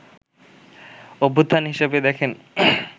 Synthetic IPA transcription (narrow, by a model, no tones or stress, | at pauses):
obʱod̪ʱːanɦiʃebed̪ɛkʰen